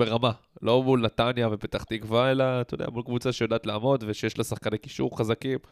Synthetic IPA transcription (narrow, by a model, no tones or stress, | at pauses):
be̞ʁamalʔo̞mulnat̪anjavepet̪aχt̪ikvaelat̪ajodeja̰mulkvut͡saʃejod̪aʔːt̪laːmo̞d̪veʃejeʃlasaχkaneki̥ʃuʁχazakim